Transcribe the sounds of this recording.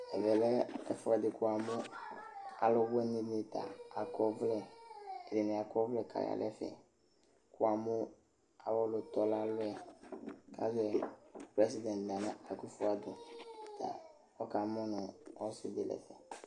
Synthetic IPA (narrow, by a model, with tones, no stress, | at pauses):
ɛ˨vɛ˨lɛ˦ɛ˦fʊ˦a˨dɪ˨kʊ˦a˨mʊ̃˦ | a̰˨lʊ˦wɛ˦nɪ̃˨ne˨t̪a̰˨a˨kɔ˦vlɛ˦˨dɪ˨nɪ˨a˨kɔ˦vlɛ˦kʰa̰˨ja̰˨lʔɛ˦fɛ̰˨ | kʊ˦a˨mʊ˦ | a˨wɔ˦lʊ˨t̪ɔ˨la˦lʊ˦ɛ˨ | ka̰˦zɛ˨pɾɛ˦si˨˦dɛ̃˨ndã˨nã˦a˨ku˦fʊ˦a˨dʊ˨t̪a̰˨ | wɔ˦ka˨mɔ̃˦nʊ̃˨ɔ˦sʊ˦dɪ˨lɛ̰˨fɛ˨